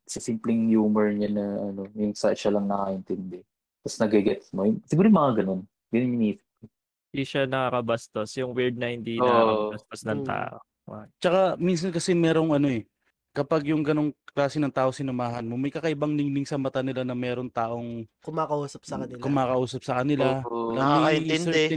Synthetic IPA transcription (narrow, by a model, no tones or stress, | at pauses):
sɐsimplɛŋjuːmɛɹɲanɐʔɐno̞jʊŋsɐʃalɐŋnɐkɐʔɪnt̪ɛnd̪ɛ | t̪ɐsnɐɡɛɡɛt̪mojʊŋsɪɡuːɾjʊŋmɐŋaɡɐno̞n | ɡɐnonmɪniːsɪ̥p̚ɐ | iʃanɐkakɐbɐst̪osjʊŋwɛɹd̪̚nɐhɪnd̪ionɐbɐst̪osnɐŋt̪a̰ːʔo̰ | t͡ʃɐkamins̬ɐnkɐsɛmɛːɾo̞ŋʔɐno̞ʔɛ | kɐpaɡjʊŋɡɐno̞ŋklaːsɪnɐŋt̪aːʔosɪnʊmaːɦɐnmo̞mɐjkɐkɐʔɪbaŋnɪŋlɪŋsɐmɐt̪anɪlanɐmɛːɾo̞ŋt̪aːʔo̞ŋkʊmaːkɐʔuːsɐp̚sɐkɐnɪlkʊmaːkɐʔuːsɐp̚sɐkɐnɪlalamaɐsɛd̪ɛɛ